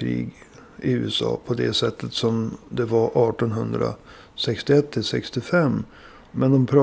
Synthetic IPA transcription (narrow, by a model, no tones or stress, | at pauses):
ɾḭːɡ | ɪʉ̟ːɛsɑ̰ːpʰɔd̪ɛsɛt̪ʰːət̪sɔmd̪ɛvaɾʔɑːʈɔnɦɵnd̪ɾa̰ | sɛkst̪ɪɛt̪ʰːɪlsɛkst̪ɪfɛmː | mɛnd̪ɔmpʰɾɑː